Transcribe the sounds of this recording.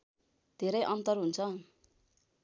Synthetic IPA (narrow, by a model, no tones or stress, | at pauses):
d̪ʱeɾʌjʔʌnt̪ʌrɦunt͡sʰʌ